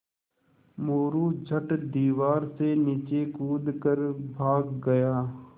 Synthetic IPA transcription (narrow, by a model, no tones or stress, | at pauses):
moːɾuːd͡ʒʱəʈd̪iːʋaːɾseniːt͡ʃeːkuːd̪kəɾbʱaːɡːəjaː